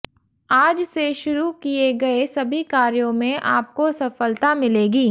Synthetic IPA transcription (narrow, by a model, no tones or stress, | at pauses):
aːd͡ʒseʃʊɾukieɡɐesɐbʱikaːɾjõmẽʔaːp̚kosɐfəlt̪amɪleːɡiː